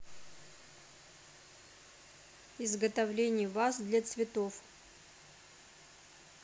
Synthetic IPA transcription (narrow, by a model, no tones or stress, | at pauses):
ɪzɡət̪ɐvlʲenʲɪjəvasd̪lʲat̪svʲɪt̪of